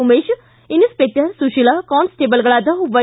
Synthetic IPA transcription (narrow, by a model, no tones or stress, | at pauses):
umeʃ | inuspeʈɐɾsuʃilakɔːnsʈeːbəlɡɐɭaːd̪ɐuʋɐ